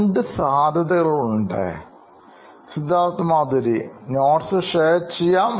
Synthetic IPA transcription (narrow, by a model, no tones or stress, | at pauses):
ɳɖɨsaːd̪ʱɐðɐɣɐɭuɳɖɨ̰ | sid̪ʱːaːɾt̪ːɨmaːd̪ɐɾinoːʈsɨʂeːt͡ɕːijːaːm